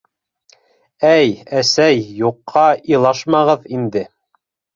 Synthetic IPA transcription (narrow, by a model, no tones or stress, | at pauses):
æjæsæjːuqʰːɑilˠɑʃmɑʁɤðind̪ɘ